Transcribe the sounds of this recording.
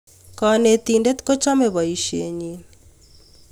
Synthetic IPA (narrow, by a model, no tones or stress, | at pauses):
kɔnet̪indet̪kot͡ʃɔmebɔiʃḛɲin